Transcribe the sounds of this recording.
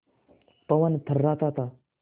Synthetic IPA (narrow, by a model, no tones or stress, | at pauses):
pɐʋənt̪ʰərːaːt̪at̪a